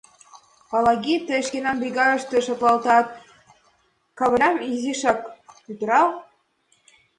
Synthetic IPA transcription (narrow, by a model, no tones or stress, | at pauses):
pɑlɑɣʲit̪ə̆ʃkenɑmbiɣɑɾɤ̆ʃt̪eʃɤ̆t̪lˠɑlt̪ɑt̪̚ | kɑβə̆ɾʲɑmiziʃɑkpyt̪ə̆ɾɑl